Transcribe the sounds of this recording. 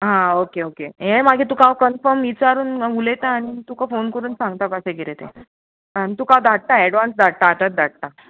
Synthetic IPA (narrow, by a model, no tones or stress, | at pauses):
ɦãokeokejɛ̃maɡʱiːt̪ũkãʋkənfəɾmit͡saɾuːnʋulet̪aːɽ̃it̪ukafonkəɾuːnsãŋɡt̪apaseɡeɾet̪ḛ | aɽ̃it̪ukawd̪ʱaʈ̚t̪aɛɽʋansd̪ʱaʈ̚t̪aːt̪at̪̚d̪ʱaʈ̚t̪a